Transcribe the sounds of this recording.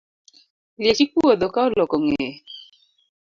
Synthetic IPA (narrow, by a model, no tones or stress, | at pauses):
ljet͡ʃik͡puod̪ɔkaɔlɔkɔŋe